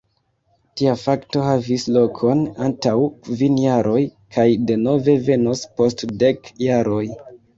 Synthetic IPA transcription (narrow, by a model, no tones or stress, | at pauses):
tiafakto̞havislo̞kʰo̞nantawvinjaɾʔo̞j | kʰajde̞no̞ve̞ve̞nospo̞stde̞kjaɾʔo̞j